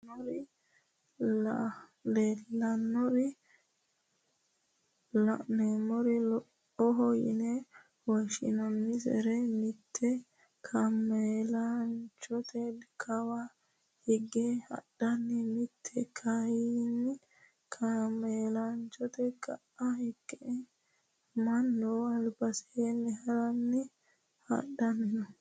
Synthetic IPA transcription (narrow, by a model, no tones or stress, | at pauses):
ɔɾ | lelːɐnːɔɾɪ | lneːmɔɾɛlɔʔ | ɔɦɔjɪ̰nɛ | wɔʃɪ̰nɐnːɪsɛ̰ɾɛmɪt̪ʰːɛ | kʰɐmːelant͡ʃɔt̪ʰɛdkʰɐwa | hɪɡɛhɐ̰ɗɐnːɪmɪt̪ʰːɛkʰɐjinːɪ | kʰamːeːlɐnt͡ʃɔt̪ɛkɐʔɐhɪɡːɛ | mɐnːɔɐlbɐsɛ̥enːɛhɐɾɐnːɪ | hɐ̰ɗɐnːɔ